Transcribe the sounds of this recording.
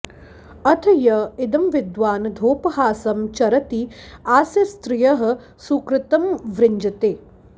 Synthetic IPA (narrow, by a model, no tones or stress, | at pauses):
ɐt̪ʰɐjɐɪd̪ɐmʋɪd̪ʋaːnd̪ʱoːpɐɦaːsɐmt͡ʃɐɾɐt̪iaːsjɐst̪ɾɪjɐɦɐ̆ | sukɾɪt̪ɐmʋɾɪɲd͡ʒɐt̪eː